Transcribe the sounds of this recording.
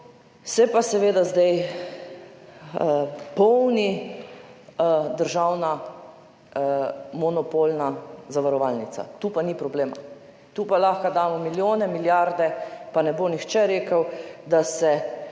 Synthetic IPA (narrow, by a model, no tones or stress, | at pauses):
sɛpasɛʋeːd̪azd̪ɛj | pɔwni | d̪əɾʒawna | mɔnɔpoːlnazaʋaɾɔʋalnit̪sa̰t̪uːpanipɾɔbleːma̰ | t̪uːpalaxkad̪aːmɔmiljoːnɛmiljaɾd̪ɛpanɛboːnixt͡ʃɛɾeːkəwd̪asɛ